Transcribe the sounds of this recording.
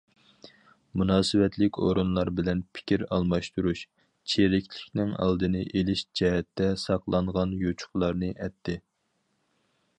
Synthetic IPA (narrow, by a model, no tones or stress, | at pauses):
munɑːsɨwɛt̪ʰlɪkʲo̰ɾunlˠɑɾbɪlɛnpʰɪ̥kʲiɾɑlˠmɑʃt̪uɾuʃ | t͡ʃʰeɾɪkʲlɪkʲnɪŋɑ̰lˠd̪ɨnɨʔelɪʃd͡ʒɛɦɛt̪ːɛsɑqlˠɑɴʁɑnjot͡ʃʰʊ̥χlˠɑɾnɨʔɛt̪ʰːɪ